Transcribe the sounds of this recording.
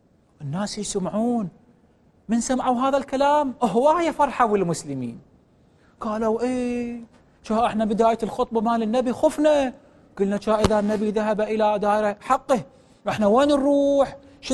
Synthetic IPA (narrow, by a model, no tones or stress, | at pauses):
ʔɪnːaːsjsamʕuːn | mɪnsamʕawɦaːðalkalaːmʔʊɦwaːjafɑɾˤħawɪlmʊslɪmḭːn | ɡ̥aːlawʔeː | t͡ʃaːʔɪħnabɪd̪aːjalxʊt̪ˤbɑmaːlɪnːabixʊfna | ɡ̥ʊlnat͡ʃaːʔɪðanːabiðaɦabaʔɪlad̪aːjɾaħɑqːɨ | wʔɪħnaweːnɾˤuːħ | ʃ